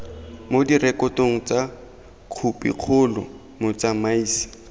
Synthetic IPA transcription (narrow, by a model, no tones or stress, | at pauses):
modirɛkɔtoŋ̩t͡sa | q͡χʰupʼḭq͡χʰʊlɔ̰ | mʊt͡samaiːsi̥